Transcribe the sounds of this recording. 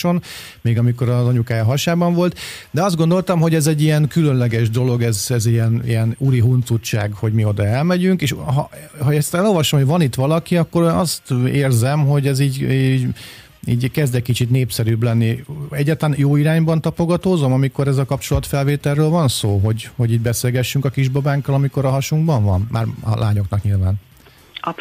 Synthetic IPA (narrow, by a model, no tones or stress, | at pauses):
o̞n | meːɡɒmiko̞ɾɒzɒɲukaːjɒɦɒʃaːbɒɱvo̞lt̪ | d̪ɛɒzd̪ɡond̪o̞lt̪ɒmɦo̞ɟɛzɛɟːijɛnkylønlɛɡɛʒd̪o̞lo̞ɡɛzɛziɛnḭjɛnuɾiɦunt̪sut͡ʃːa̰ːɡho̞ɟmio̞d̪ɒɛlmɛɟyŋkeːʃɦɒ̰ɦɒɛst̪ɛlolvɒʃomhoɟvɒnit̪ʋɒlɒkiɒkːo̞ɾønɒst̪eːrzɛmɦo̞ɟɛziːɟ | iːɟkɛzd̪ɛkit͡ʃit̪neːpsɛɾyːblɛnːiɛɟːaːt̪lanjoːiɾaːɲbɒnt̪ɒpoɡɒt̪oːzo̞mɒmiko̞ɾɛzɒkɒpt͡ʃo̞lɒt̪fɛlveːt̪ɛlːøːlvɒnsoːɦo̞ɟho̞ɟiːɟbɛseːlɡɛʃːyŋkɒkiʒbɒbaːŋkːɒlɒmiko̞ɾɒɦɒʃuŋɡbɒɱvɒnma̰ːrɒ̰lʔaːɲo̞knɒkɲilvaːn